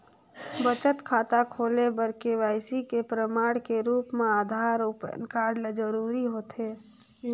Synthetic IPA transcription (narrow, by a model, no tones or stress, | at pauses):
bət͡ʃət̪kʰaːt̪akʰoːlebəɾkeʋaːɪsikepɾəmaːɽkeɾuːpmẽaːd̪ʱaːɾʊpə̰nkaːɾɖled͡ʒəɾuːɾiɦoːt̪eː